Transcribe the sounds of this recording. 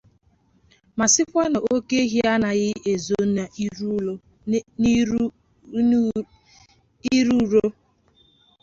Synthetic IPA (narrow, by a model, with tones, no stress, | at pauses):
ma˨sɪ˦kʷa˦no˨o˦ke˦ɦi˦a˦na˨ɣɪ˦ʔe˨zo˨na˨˦ | i˦ɾu˦˨ɾo˦